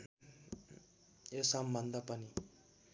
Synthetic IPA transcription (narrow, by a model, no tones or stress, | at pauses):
esʌmbʱʌnd̪apʌni